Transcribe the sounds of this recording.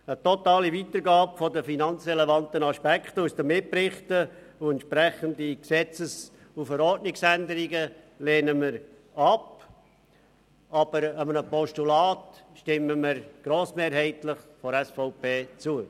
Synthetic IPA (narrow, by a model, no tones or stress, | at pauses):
ətɔtɑːlivit̪əɾɡɑːpfɔdəfinɑnt͡sɾɛlevɑntənɑʃpɛkχt̪usd̥̪əmːɪpɾɪχtəʊɛntʃpɾɛχəndiksɛt͡səs | ufəɾɔrtnɪksænd̪əɾiɡə | leːnəməɾ | ɑp | ɑb̥əɾəmənəpɔʃtulaːtʃtɪməməɾɡ̥ɾoːsmeːɾhɛɪtləχfɔɾɛsfɔʊpeːt͡suə